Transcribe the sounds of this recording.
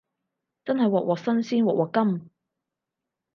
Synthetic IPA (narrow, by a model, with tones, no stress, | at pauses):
t͡sɐ˥nɦɐ˨jwɔː˨k̚wɔː˨˩k̚sɐ˥nsiː˥nwɔː˨k̚wɔː˨kːɐ˥m